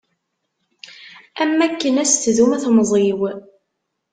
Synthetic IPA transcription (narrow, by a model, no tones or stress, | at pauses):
æmːækːənæst̪ðumæθmzˤiw